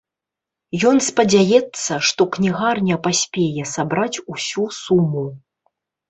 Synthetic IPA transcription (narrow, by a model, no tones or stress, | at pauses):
jɔnspɐd͡zʲajɛt̪sːɐʂt̪ɔknʲiɣarnʲɐpasʲpʲejɛsabɾat͡sʲusʲusumːu